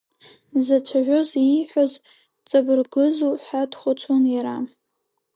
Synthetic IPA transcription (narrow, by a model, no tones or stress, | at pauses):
zat͡ʃʷʰaʒʷᶣoziħʷᶣoz | t͡sʼabɨrɡɨzuħadχʷʊt͡sʷʰonjaɾam